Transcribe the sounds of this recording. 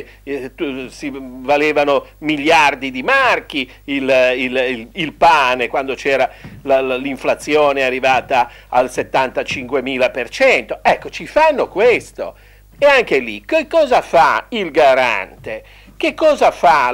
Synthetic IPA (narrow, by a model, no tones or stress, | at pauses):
t̪usivaleːvanomiljard̪id̪imark̟i | ililːilpaːnekwand̪ot͡ʃɛːɾalalliɱflat̪sːjɔːnearːivaːt̪aː | lset̪ːant̪at͡ʃiŋkwemiːlapert͡ʃɛnt̪oɛkːot͡ʃifanːokwest̪o̰ | ɛaŋkelikekːɔːzafailɡaɾa̰nt̪e | k̟ekːɔːzafa